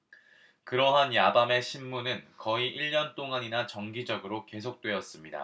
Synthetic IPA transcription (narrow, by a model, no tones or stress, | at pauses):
kɯɾʌɦanjabame̞ɕʰinmːunɯnkʌiʔiʎːʌnt͈oŋaɲinat͡ɕʌŋɡid͡ʑʌɡɯɾoke̞s̬ʰok̚t͈we̞ʌs͈ɯmɲida̰